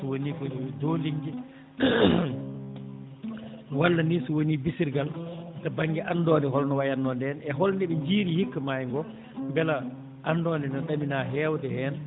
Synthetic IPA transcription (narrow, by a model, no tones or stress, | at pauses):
sɔwoniːkɔdoːliɲd͡ʒɛ | walːanisuwoniːbisiɾɡaltabaŋɡɛʔanːdɔːndɛɦɔlnɔwajandɔndɛnɛɦɔlndɛɓɛɲd͡ʒiːɾihikːamajŋɡɔ | mbɛla | ʔanːdɔːndɛnɔɗaminaːɦɛːwtɛhɛːn